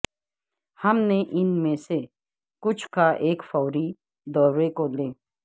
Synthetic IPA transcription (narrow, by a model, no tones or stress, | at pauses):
hɐmneʔɪnmẽse | kʊt͡ʃʰkaʔeːkfɔʊɾi | d̪ɔːʋekoleː